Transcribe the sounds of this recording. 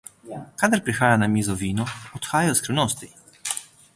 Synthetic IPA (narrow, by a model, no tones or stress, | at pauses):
kaːd̪aɾpɾixaːjanamiːzɔʋiːnɔɔt̪xaːjajɔskɾiwnoːst̪i